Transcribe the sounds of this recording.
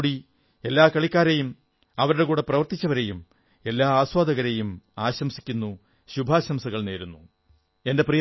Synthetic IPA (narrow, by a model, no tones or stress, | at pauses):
ɽi | e̞lːaːkɐɭikʲːaːɾɐjum | ɐʋɐɾuɽe̞kuːɽe̞prɐʋɐrt̪it͡ɕːɐʋɐɾe̞jum | e̞lːaːaːswaːd̪ɐɣɐɾejumaːɕɐmsi̥kʲːunːu | ɕubʱaːɕɐmsɐɣɐɭne̞ːɾunːu | e̞nde̞prij